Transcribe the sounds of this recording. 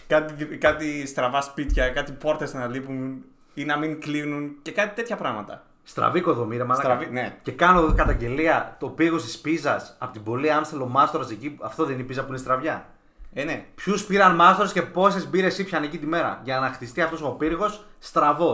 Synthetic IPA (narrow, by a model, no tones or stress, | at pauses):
kɐt̪ikɐt̪ist̪ɾɐvɐspit̪çɐkɐt̪ipo̞ɾt̪esenɐlipun | inɐmiŋklinunce̞kɐt̪i̥t̪e̞t̪çɐpɾɐɣmɐt̪ɐ̰ | st̪ɾɐ̰viko̞ðomiɾemɐlvinece̞kɐno̞kɐt̪ɐɲɟe̞liɐt̪o̞piɾɣo̞st̪i̥spizɐsɐpot̪ibo̞liɐnst̪elo̞mɐst̪o̞ɾɐseciɐft̪o̞ðeninipizɐpuinst̪ɾɐvʝɐ | nepçuspiɾɐnmɐst̪oɾɐsce̞po̞se̞zbiɾe̞sipçɐnecit̪ime̞ɾɐ̰ʝɐnɐxt̪ist̪iɐft̪o̞sopiɾɣo̞sːt̪ɾɐvo̞